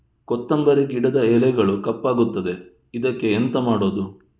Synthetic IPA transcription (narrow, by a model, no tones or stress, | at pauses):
kɔt̪ːɐmbɐɾeɡiɽɐd̪ɐelɛɡɐɭukɐpːaːɡut̪ːɐd̪e̞ | id̪ɐkːe̞ːnt̪ɐmaːɽo̞ːd̪u